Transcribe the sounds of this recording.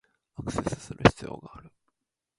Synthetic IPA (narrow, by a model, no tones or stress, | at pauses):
akɯ̟se̞sɨ̥sɨɾɯ̟çi̥t͡sɨjoːɡaːɾɯ̟